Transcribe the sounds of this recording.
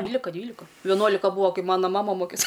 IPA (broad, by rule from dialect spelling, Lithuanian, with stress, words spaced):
ˈdʲʋʲiːlʲɪkɐ ˈdʲʋʲiːlʲɪkɐ ʋʲɛˈnuɔlʲɪkɐ ˈbuːɐ ˈkɐɪ ˈmɑːnɐ ˈmɑːmɐ ˈmoːkʲeːs